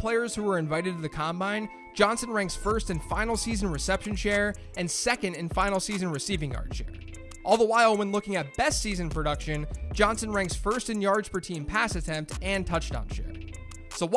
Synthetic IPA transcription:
pʰl̥eɪə˞z̥huwə˞ɨ̃ɱvaɪɾɨd̚tʰɨðɨkʰɑ̃mbãɪ̃n | d͡ʒɑ̃nsɨ̃nɹæ̃ŋksfɜ˞stɨ̃nfãɪ̃nl̩ˠsizɨ̃n̩ɹɨsɛpʃɨ̃n̩ʃɛɹ | ʔɨ̃nsɛkɨ̃ndɨ̃nfãɪ̃nl̩ˠsizɨ̃nɹɨsivɪ̃ŋjɑ̰ɹd̥ʃɛ̰ɹ | ʔɔlˠðəwaɪlˠwə̃nlʊkɪ̃ŋɨt̚b̥ɛstsizɨ̃npʰɹ̥ɨɾʌkʃɨ̃nd͡ʒɑ̃nsɨ̃nɹæ̃ŋksfɜ˞stɨ̃njɑɹdz̥pʰə˞tʰĩmpʰæsɨtʰɛ̃mp̚tɨ̃ntʰʌt͡ʃtn̩ʃɛ̰ | soʊw

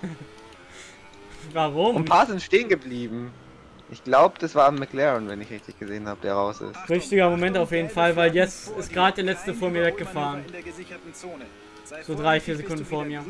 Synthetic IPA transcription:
vaʁʊmnpʰaːɐzɪntʃteːənɡəbliːbm̩ | ʔɪçɡ̥laʊbəd̥asv̥aːmːɪklɛʁənvɛnɪçʁɪçtɪçɡ̥əzeːənhaːbəd̥eːɐʁaʊsɪ̰stʁʏçtɪɡɐmomɛntaʊfjeːdn̩falvaɪljɛt͡sɪst̚ɡ̥ʁaːd̚d̥eːɐlɛt͡stəfoːɐmiːɐvɛk̚ɡ̥əfaːʁən | z̥oːdʁaɪfiːɐzekʰʊndn̩foːɐmiːɐ

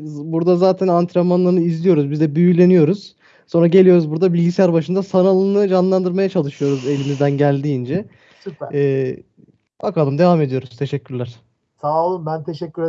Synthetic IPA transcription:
buɾd̪azaːt̪ʰænant̪ʰɾemanlˠaɾnɯizlʲijo̞ɾuzbizd̪ɛbyjylʲe̞nijo̞ɾuz̥ | so̞nɾaɟelʲijo̞ɾuzbuɾd̪abilʲɟisijæɾbaʃɯnd̪asanalˠɯnɯd͡ʒanlˠand̪ɯɾmajat͡ʃʰalˠɯʃɯjo̞ɾuze̞lʲimizd̪ænɟælʲd̪iːnd͡ʒɛ | sypː | b̥akʰalˠɯmd̪e̞vaːme̞d̪ijo̞ɾuz̥t̪ʰe̞ʃɛcʲʰːyɾlʲæɾ̥ | saːlˠɯmbænt̪ʰeʃɛcʲːyɾe

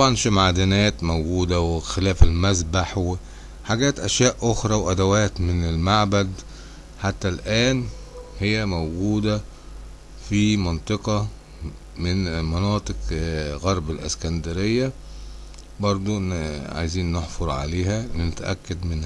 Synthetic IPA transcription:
t̪ɑbʕɑnʃimʕad̪ɪnæːt̪mowɡuːd̪æwexelæːfelmæzbaħwe | ħaɡæːt̪ʔæʃjæːʔʔoxɾˤɑwʔæd̪æwæːt̪mɪnelmaʕbæd̪ | ħat̪ːælʔæːn | hejːæmowɡuːd̪æ | fimɑnt̪ˤɨqɑ | mɪnmɑnɑːt̪ˤɨqɣɑɾˤbelʔḛskænd̪æɾejːæ | bɑɾˤd̪ˤuʔʕa̰jziːnːeħfoɾˤʕa̰leːhænet̪æʔæ̰kːæd̪mɪn

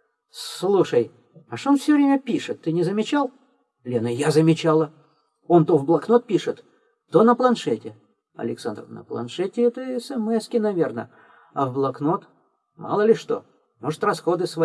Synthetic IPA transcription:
slˠuʂəj | ɐʂt̪onfsʲɵvɾʲemʲəpʲiʂɨt̪ːɨnʲɪzəmʲɪt͡ɕalˠ | lʲenəjazəmʲɪt͡ɕalˠə | o̞nt̪ovblˠɐkno̞t̪̚pʲiʂɨt̪ | t̪onəplˠɐnʂɛtʲɪ | ɐ̰lʲɪksand̪rnə̰plˠɐ̰nʂɛtʲɪɛt̪əɛsɛmɛskʲɪnɐvʲe̞rnə̰ | ɐvblˠɐkno̞t̪ | mɑ̰lˠəlʲɪʂt̪o̞̰ | mo̞ʐɨt̪rɐsxo̞d̪ɨsvɐ

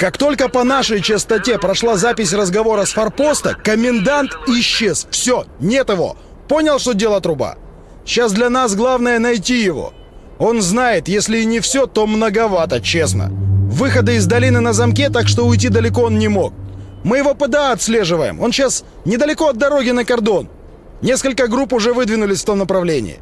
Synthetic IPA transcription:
kakt̪o̞lʲkəpɐnaʂəjt͡ɕɪst̪ɐtʲe̞pɾɐʂlˠazapʲɪsʲrəzɡɐvo̞ɾəsfɐrpo̞st̪əkəmʲɪnd̪ant̪ɪɕːe̞z̥fsʲonʲe̞t̪ɪvo̞̰ | po̞nʲɪlˠʂt̪odʲe̞lˠət̪ɾʊba̰ | ɕːasd̪lʲɐnasɡlˠavnəjənɐjtʲijɪvo̰ | o̞nznajɪt̪jesʲlʲɪːnʲɪfsʲot̪o̞mnəɡɐvat̪ət͡ɕe̞snə̰vɨxəd̪əɪzd̪ɐlʲinɨnəzɐmkʲet̪akʂt̪o̞ʊjt̬ʲid̪əlʲɪko̞onnʲɪmo̞̰k̚mɨjɪvo̞pəd̪əɐt̪sʲlʲe̞ʐɨvəjɪ̰mʔo̞nɕas | nʲɪd̪əlʲɪko̞ɐd̪̚d̪ɐɾo̞ɡʲɪnəkɐrd̪o̞n | nʲe̞skəlʲkəɡɾupʊʐɛvɨd̪vʲɪnʊlʲɪsʲft̪o̞mnəpɾɐvlʲenʲɪ̰ɪ̰

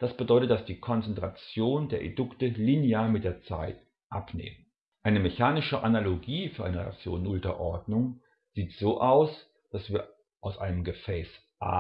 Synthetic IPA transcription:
d̥asb̥ədɔʏtət̚d̥asd̥iːkʰɔnt͡sɛntʁ̥at͡sjoːndeːɐʔḛdʊktəlineaːɐmɪt̚d̥eːɐt͡sa̰ɪt | ʔapnḛːmən | ʔaɪnəmeçaːnɪʃəʔanaloɡiːfyːɐʔaɪnəʁḛa̰k̚t͡sjo̰ːnnʊltɐ̰ʔɔɐdnʊŋ | z̥iːtz̥oːʔaʊs | d̥asv̥iːɐ | ʔaʊsʔaɪnəmɡəfɛːs | ʔa̰ː

